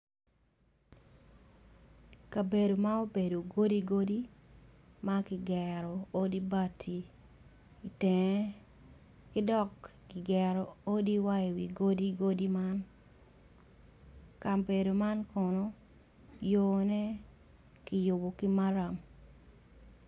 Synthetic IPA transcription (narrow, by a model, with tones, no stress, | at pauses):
ka˨be˨do˨ma˦o˦be˨do˨ɡo˦di˦ɡo˦di | makɪ˨ɡɛ˨ɾo˨o˦di˦ba˨tʰiː˨ | tɛŋɛ˦ | kɪ˦dɔ˦˨kːɪ˨ɡɛɾo˨o˦di˦wa˦e˨wiɡo˦di˦ɡo˦di˦ma˦n | ka˨mbe˨do˨ma˦nko˨no˦ | jonɛ˦ | kɪ˨jo˨bo˨kɪ˦maɾa˨m